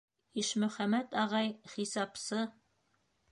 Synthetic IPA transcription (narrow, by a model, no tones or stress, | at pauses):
iʃmɵ̆χæmæt̪ɑʁɑjχisɑpsɤ